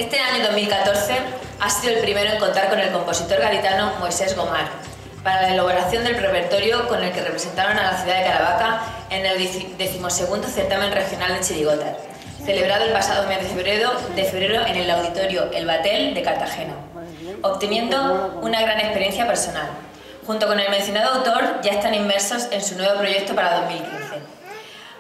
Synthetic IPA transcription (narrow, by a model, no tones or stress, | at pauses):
e̞st̪e̞aɲoðo̞zmilkat̪o̞ɾθe̞ | asiðoelpɾime̞ɾoeŋko̞nt̪aɾko̞ne̞lko̞mpo̞sit̪o̞ɾɣaɾit̪anomojse̞zɣo̞maɾ | paɾalaeloβo̞ɾaθjo̞nd̪e̞lre̞pe̞ɾt̪o̞ɾjoko̞ne̞lke̞repɾe̞se̞nt̪aɾo̞nalaθjuðaðe̞kaɾaβ̞aka | eneld̪e̞θimo̞se̞ɣ̞und̪oθe̞ɾt̪amẽ̞nre̞xjo̞nald̪e̞t͡ʃiliɣ̞o̞t̪a | θe̞le̞β̞ɾaðoe̞lpasaðo̞me̞zðe̞feβɾeod̪e̞fe̞β̞ɾe̞ɾoe̞ne̞lawðit̪o̞ɾjoʔe̞lβat̪e̞ld̪e̞kaɾt̪axe̞na | oβt̪enjẽ̞nd̪o̞unaɣɾane̞hpe̞ɾje̞n̟θjape̞ɾso̞nal | xunt̪o̞ko̞ne̞lmenθjo̞naðo̞awt̪o̞ɾʝae̞st̪animːe̞ɾso̞se̞nsunwe̞β̞o̞pɾo̞ʝe̞k̚t̪opaɾaðo̞zmilkinθe̞